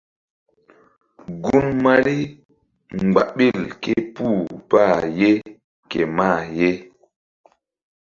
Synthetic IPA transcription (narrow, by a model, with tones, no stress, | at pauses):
ɡu˦nma˦li˦ | ŋŋ͡mɡ͡ba̰˨ɓi˦˨lke˦puː˦˨pa˦˨je˦ | kḛ˨ma˦˨je˦